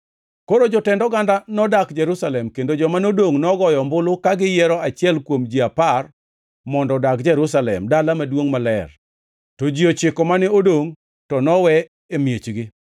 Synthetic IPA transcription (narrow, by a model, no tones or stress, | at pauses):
koɾod͡ʒɔtɛndɔɡandanɔdakd͡ʒɛɾusalɛmkendod͡ʒɔmanodoŋnɔɡɔjɔmbʊlʊkaɡɪjɛɾɔat͡ʃɪɛlkwomd͡ʒiapar | mɔndɔdakd͡ʒɛɾusalɛ̰mdalamadwoŋmalɛ̰r | tɔd͡ʒiot͡ʃɪkɔmanɪodoŋ | tɔnɔwɛ | emjet͡ʃɡɪ